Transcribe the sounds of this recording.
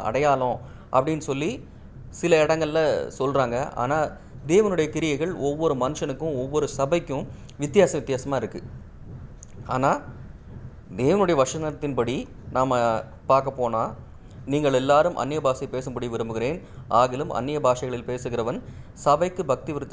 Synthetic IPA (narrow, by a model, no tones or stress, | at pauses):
ɐ̰ɽɐjaːlõː | ʔɐ̰pːɐɽɪnːsɔlːi | sɪlɐɪɽɐŋɡɐɭɪlɐsɔlraːŋɡɐʔa̰ːnaː | d̪eːʋɐnɯɽɐjɐkɪɾɪjɐɪɣɐɭɔʋːɔɾɯmɐnɯʂɐnɯkːɯ̃ɔʋːɔɾɯsɐbɐɪkːɯ̃ | ʋɪt̪ːɪjaːsɐʋɪt̪ːjaːsɐmaːɪɾɯkːɯ | aːnaː | d̪eːʋɐnɯɽɐjɐʋɐʂɐnɐɐt̪ːɪnpɐɽi | naːmɐ | paːɾkɐpːoːnaː | niːŋɡɐɭɛlːaːɾɯmʔɐ̰nːɪjɐbaːsɐɪpeːsɯmpɐɽiʋɪɾɯmbɯɣɪɾeːnʔaːɣɪlɯmʔɐ̰nːɪjɐbaːsɐɣɐɭɪlpeːsɯɣɪɾɐʋɐnsɐbɐɪkːɯbɐk̚t̪iʋɪɾɯt̪ː